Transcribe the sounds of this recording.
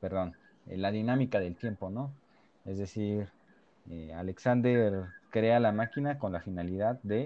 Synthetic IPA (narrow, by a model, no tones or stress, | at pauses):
pe̞ɾðo̞n | elaðinamikaðe̞lt̪je̞mpo̞no̞ | e̞zðe̞siɾ | ea̰le̞ksand̪eɾkɾe̞alamakinako̞nlafinaliðaðːe̞